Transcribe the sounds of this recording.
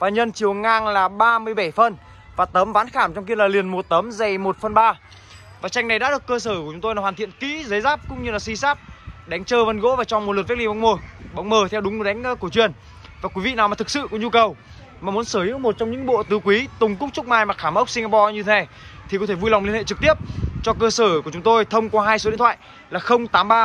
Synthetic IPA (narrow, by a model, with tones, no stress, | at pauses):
vaː˨˩ɲə˧nt͡ɕi˨˩əwŋaː˧ŋlaː˨˩ɓaː˧mɨ˧əjɓa˧˩jfə˧˩n | vaː˨˩t̪ə˨˦mvaː˨˦nxaː˧˩mt͡ɕɔ˧wŋ͡mk̬i˧əlaː˨˩li˨˩ənmo˨˩t̪ə˨˦mzə˨˩jmo˨˩t̚fə˨˩nɓaː˧ | vaː˨˩t͡ɕa˧jŋ̟na˨˩jɗ̰a̰ː˧˥ɗɨ˨˩əkːəː˧səː˧˩ku˨˩t͡ɕʊ˨˦ŋ͡mt̪o˧jaː˨˩waː˨˩t̪ḭ˧˨ənkḭ˧˥zə˨˦jzaː˦˥p̚kʊ̰˧˥ŋ͡mɲɨ˧laː˨˩si˧saː˦˥p̚ɗa˨˦jŋ̟t͡ɕəː˧və˧nɣo̰˧˥vaː˨˩t͡ɕɔ˧˩ŋ͡mmo˨˩lt̚vɛ˦˥li˧ɓɔ˨˦wŋ͡mməː˧˩ɓwŋ͡mməː˨˩t̪ʰwɗʊ˨˦ŋ͡mɨ˨˦˩ɗa˨˦jŋ̟˧˦ku˧˩t͡ɕwi˨˩ən | vaː˨˩kwi˨˦vḭ˧˨naː˨˩wa˨˩ɨ˨˩k̚sɨ̰˧˨kɔ˨˦ɲu˧kə˨˩w | maː˨˩mu˨˦ənsəː˧˩i˧˥mo˨˩t̚t͡ɕɔ˧wŋ͡mɲɨ̰˧˥ŋɓo̰˧˨t̪ɨ˨˦kwi˨˦t̪ʊ˨˩ŋ͡mkʊ˦˥k͡p̚t͡ɕʊ˦˥k͡p̚maː˧jmaː˨˩xaː˧˩mʔə˦˥wk͡p̚si˧ŋa˧pɔ˧ɲɨ˧t̪ʰee˨˧˩ | t̪ʰi˨kɔ˨˦t̪ʰe˧˩vu˧jla˨wŋ͡mlənhḛ˧˨t͡ɕɨ˨˩k̚t̪i˦˥əp̚t͡ɕɔ˧kəː˧səː˧˩ku˧˩ət͡ɕʊ˨˦ŋ͡mt̪o˧jt̪ʰə˧wŋ͡mkwaː˧ɦaː˧jso˨˦ɗt̪ʰa̰ː˧˨j | laː˨˩xə˧wŋ͡mt̪aː˨˦mɓaː˧